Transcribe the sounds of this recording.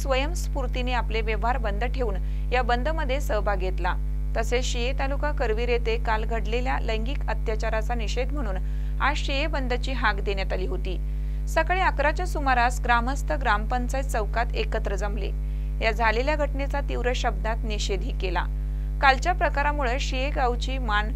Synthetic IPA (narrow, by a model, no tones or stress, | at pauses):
sʋəjəmspuɾt̪ineapleʋeʋɦaɾbənd̪ʱəʈʰeuːn | jabənd̪ʱəməd̪ʱːjesəbʱaɡʱet̪la | t̪əseɕiet̪alukakəɾʋiːɾet̪ekalɡʱəɽleljaləjŋɡiːkət̪jat͡ɕaɾat͡saniɕed̪m̤əɽ̃uːn | aɕijebənd̪ʱət͡ɕiːɦaɡd̪enjat̪aliːɦot̪iː | səkɭeəkɾat͡ɕjasumaɾasɡɾaməst̪ʰəɡɾampənt͡sajt͡səʋkat̪ekət̪ɾəd͡zəmlḛ | jad͡zʱaleljaɡʱəʈnet͡sat̪iʋɾəɕəb̚d̪at̪niɕed̪ʱiːkela̰ | kalt͡ɕjapɾəkaɾamuɭeɕijeɡawt͡ɕiːman